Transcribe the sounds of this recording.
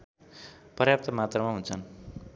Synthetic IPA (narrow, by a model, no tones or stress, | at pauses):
pʌɾjap̚t̪ʌmat̪rʌmaɦunt͡sʰʌn